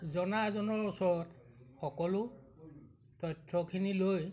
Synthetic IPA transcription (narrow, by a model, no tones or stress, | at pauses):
zɔnazɔnɔɹusɔɹɔt | xɔkɔlʊ | tɔjtʰːɔkʰiniloj